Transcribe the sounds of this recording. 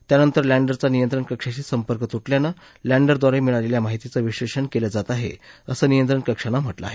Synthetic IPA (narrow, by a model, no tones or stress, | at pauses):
t̪janənt̪əɾlæɳɖəɾt͡sanijənt̪ɾəɳkəkʂat͡ɕiːsəmpəɾkət̪uʈljanːə | læɳɖəɾd̪ʋaɾemiɭaleljamaɦit̪it͡səʋiɕʋeɕəɳkeləd͡zat̪aɦḛəsəːnijənt̪ɾəɳkəkʂənam̤əʈlə̰a̰ɦe